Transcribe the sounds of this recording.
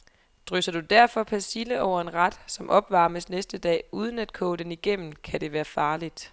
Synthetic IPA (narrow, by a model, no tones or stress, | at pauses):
d̥ʁøsɐd̥ud̥æɐ̰fɒ̽pʰæsiləɒʊ̰ɐe̝nʁɑd̥sɒ̽mʔɒ̽b̥ʋɑ̈ːməsnesd̥əd̥ɛ̰ːuːð̞ˠən̩æd̥̚kʰɔ̽ːd̥eniɡ̥em̰n̩kʰæd̥e̝ʋæːɐfɑ̈ːlid̥